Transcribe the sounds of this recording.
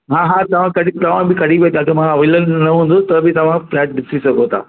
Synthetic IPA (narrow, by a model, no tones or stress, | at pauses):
ɦãːɦãːt̪ɐʋ̤ãkɐɽit̪ɐʋ̤ãbʱɪkɐɽiʋet̪ʰãːk̪ɐmãɐʋɐɪlənnɐɦũːn̆d̪õt̪ɐbʱɪt̪ɐʋ̤ãflɛːʈ̚ɗɪsisɐɡʱot̪ʰa̰ː